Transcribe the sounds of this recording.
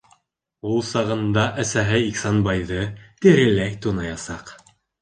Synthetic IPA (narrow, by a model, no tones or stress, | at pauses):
ulˠsɑʁɤ̆nd̪ɑʔæsæɦɘiksɑnbɑjðɤt̪iɾɘ̆lækt̪unɑjɑsɑq